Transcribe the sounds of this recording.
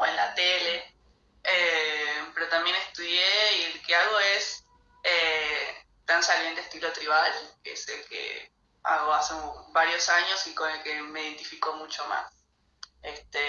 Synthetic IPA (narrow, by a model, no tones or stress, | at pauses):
enlat̪ele̞ | epe̞ɾot̪ambje̞nest̪uðjeielkeaɣo̞es | e | t̪ansalent̪est̪ilo̞t̪ɾiβalkeḛselkḛ | a̰ɣo̞aseubaɾjo̞saɲo̞sikone̞lkemeiðe̞nt̪ifikomut͡ʃoma̰s | est̪e